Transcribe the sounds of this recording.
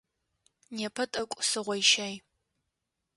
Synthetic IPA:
nepʰɐtʼɐkʷʼʊsɨʁʷɔjʃaj

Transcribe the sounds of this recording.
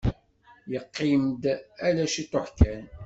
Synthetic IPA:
jəqːimd̪ælæʃit̪oħkːæn

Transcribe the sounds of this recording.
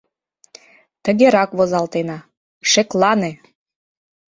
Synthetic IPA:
t̪ə̆ɣeɾɑkβozɑlt̪enɑ | ʃeklˠɑne

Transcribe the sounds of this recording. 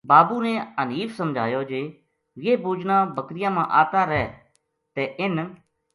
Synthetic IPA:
baːbuːnɛəniːfʰsəmd͡ʒʱaːjoːd͡ʒeː | jeːbuːd͡ʒnãːbəkɾɪjãːmãːʔa̰ːt̪aːɾɛː | t̪ɛːʔɪn

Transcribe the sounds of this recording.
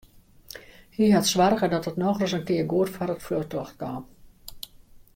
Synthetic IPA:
hiɦatsʋarɣədɔtətnɔːɣləsənkɪərɡoətfɔɾətfløxtɔxt̚kɔːm

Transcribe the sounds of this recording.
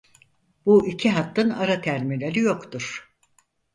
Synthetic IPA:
buʔicʰiɦat̪ːɯnaɾat̪ʰæɾmilʲeɾijo̞kt̪ʰuɾ̥

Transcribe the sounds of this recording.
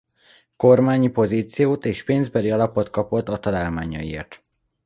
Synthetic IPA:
ko̞rmaːɲipo̞ziːt̪sijoːt̪eːʃpeːnzbɛliɒlɒpo̞t̪kɒpo̞t̪ːɒt̪ɒlaːlmaːɲɒjiḛːrt̪

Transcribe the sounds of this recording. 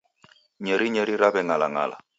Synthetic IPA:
ɲɛɾiɲɛɾiɾabɛŋala̰ŋa̰la̰

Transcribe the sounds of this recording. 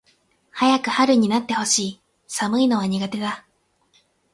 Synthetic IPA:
hajakɯ̟haɾɯ̟ɲ̟inat̪ːe̞ho̞ɕiː | samɯ̟ino̞β̞aɲ̟iɡat̪e̞d̪a

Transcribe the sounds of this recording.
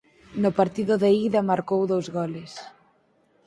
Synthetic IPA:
nʊpaɾt̪iðʊðeiðɐmaɾkowðowzɣɔlɪs

